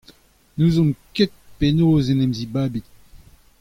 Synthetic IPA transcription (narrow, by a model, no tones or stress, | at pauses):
nuzɔ̃mket̪̚penoːzenɛmzibaːbit̪̚